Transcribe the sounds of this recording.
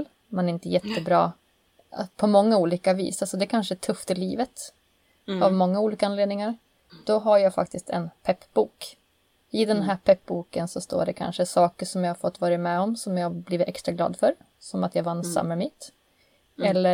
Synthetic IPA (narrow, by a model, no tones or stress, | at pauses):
l | mɛnæɾɪnt̪əjɛt̪ːəbɾɑ̰ː | pʰɔmɔŋːauːliːkavḭːsalsɔd̪ɛkʰanʂəæʈʰɵft̪ɪliːvət̪ | avmɔŋːauːliːkaanleːd̪nɪŋaɾ | d̪̥ɔɦaɾjaːɡfa̰k̚t̪ɪst̪ɛ̰npʰɛpːbuːk | ɪd̪ɛnɦæːpʰɛp̚ːbuːkənsɔst̪o̰ːɖɛkʰa̰nʂəsɑːkəʂɔmjahaɾfɔt̪ːvɑːɾɪmɛɔmsɔmjɑbliːvɪt̪ɛkst̪ɾaɡlɑ̰ːd̪fœɾ | sɔmat̪javansa̰mːəmiːt̪ | ɛlːə